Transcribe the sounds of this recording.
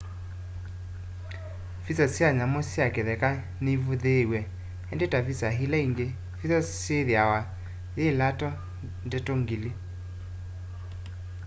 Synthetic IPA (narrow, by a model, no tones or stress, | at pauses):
fisasjaɲamosjakeðɛka | neivuðewɛ | endetavisaɦilaiŋɡe | fisasjeðjawa | jelatɔ | ndɛtoŋɡile